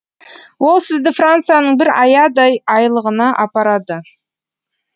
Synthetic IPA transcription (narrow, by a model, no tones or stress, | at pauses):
wo̞lˠsɪzd̪ɪfrant̪sɨjanəɴbɪɾɑ̰jɑd̪ɑjɑjlˠəʁənɑʔɑpɑɾɑd̪ə